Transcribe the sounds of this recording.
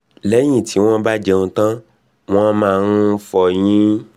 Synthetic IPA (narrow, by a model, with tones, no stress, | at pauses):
lɛ˨˦j̃ĩ˦˨tʰi˨˦w̃ɔ̃˦ba˦d͡ʒɛ˧ŋũ˧tã˦ | w̃ɔ̃˦mãː˦˨ɾ̃ũ˦fɔ˨j̃ĩ˦